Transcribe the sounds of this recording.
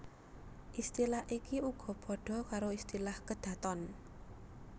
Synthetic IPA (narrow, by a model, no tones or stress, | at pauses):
ʔist̪ilahʔikiuɡ̥ɔ̤b̥ɔ̤ɖ̥ɔ̤kaɾoist̪ilahkəd̪̥ä̤t̪ɔn